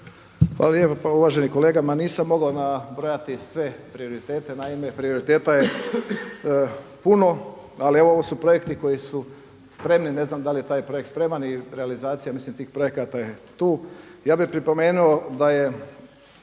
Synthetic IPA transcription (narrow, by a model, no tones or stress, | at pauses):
xʋa̰laljepapauʋaːʒe̞niko̞leːɡamaniːsamːo̞ɡaonabɾo̞jat̪isʋe̞pɾio̞ɾit̪e̞ːt̪e̞naime̞pɾio̞ɾit̪e̞ːt̪aje̞ | puno̞ | alieʋo̞o̞ʋo̞supɾo̞je̞kt̪iko̞jisu | spɾe̞mnine̞znamd̪alje̞t̪aːjpɾo̞jekt̪spɾemaniɾealizaːt̪sijamislimt̪iːxpɾo̞jekat̪ajet̪uːjaːbipɾipo̞me̞ːnuo̞d̪aje